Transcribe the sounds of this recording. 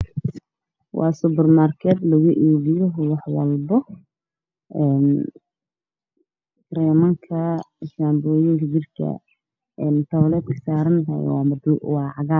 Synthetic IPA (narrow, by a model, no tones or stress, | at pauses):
wɑ̰ːsʊbɛrmaːrkʰɛːd̪lɐɣʊʔiːβɪjɔɦwɑħwɑ̰lbɔ | ɛːn | rɛːmɐŋkʰɐɪʃaːmbɔːjɪŋkʰɐd͡ʒɪrkʰɐ̰ | ɛnt̪ʰɐβlɛːd̪̚kʰɐ̥saːɾɐnt̪ʰɐ̰j̰w̰d̪wɑːʕɑɣaː